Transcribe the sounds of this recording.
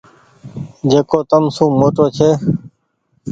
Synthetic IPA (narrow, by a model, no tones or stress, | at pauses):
d͡ʒeːkoːt̪əmsũːmoːʈoːt͡ʃʰeː